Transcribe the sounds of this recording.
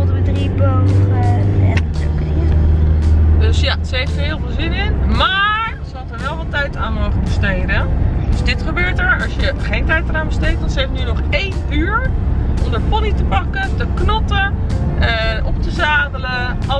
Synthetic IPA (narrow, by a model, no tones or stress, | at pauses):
dəʋədribowəɛ̰to̰kdi | døsjasəejftəɦɪːlˠvɪːlˠzɪnɪnmaːɹsəɦɑtəɹʋɛlˠʋɑtɛjtaːnmowχəbəstejdəndɵsdɪtχəbøːɹtəɹɑsjəχejntɛjtəraːnbəstejt̚dɑnsəɦeftnynɔχejn | yːɹʔɔmdəɹpɑnitəpɑkəntəknɔtəʔəʔɔp̚təzaːdələ